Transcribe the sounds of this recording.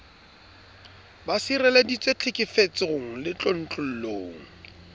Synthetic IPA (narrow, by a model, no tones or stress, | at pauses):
basirɛledit͡sʼet͡ɬʰɪkʼɪfet͡sɪɣʊŋ̩lɪt͡ɬʼon̩t͡ɬʼʊl̩loːŋ̩